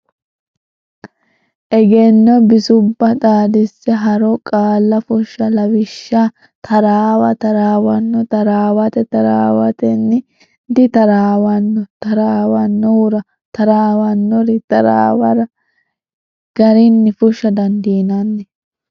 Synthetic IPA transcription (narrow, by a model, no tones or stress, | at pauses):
ʔɛɡɛnːɔbɪsʊbːɐd̪aːd̪ɪsːɛɦɐɾɔkʼaːlːɐfʊʃːɐlɐwɪʃːa | t̪ʰɐɾaːwɐt̪ɐɾaːwɐnːɔt̪ɐɾaːwɐt̪ɛt̪ɐɾa̰ːwɐt̪ɛnːɪ | d̪ɪt̪ɐɾaːwɐnːɔt̪ɐɾaːwɐnːɔʊɾɐ | t̪ɐɾaːwɐnːɔɾɪt̪ɐɾa̰ːwɐɾɐ | ɡ̥ɐɾɪnːɪfʊʃːɐd̪ɐnd̪iːnɐnːɛ